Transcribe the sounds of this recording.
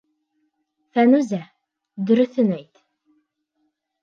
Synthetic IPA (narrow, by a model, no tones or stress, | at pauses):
fænʉzæ | d̪ɵ̆ɾɵ̆θɘnæjt̪